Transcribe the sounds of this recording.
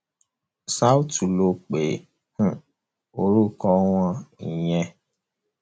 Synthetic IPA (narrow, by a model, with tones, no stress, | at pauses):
sa˦u˦tu˨lo˨k͡pe˨ | h̩˨ | o˨ɾu˦kɔ˦w̃ɔ̃˦i˨j̃ɛ̃˧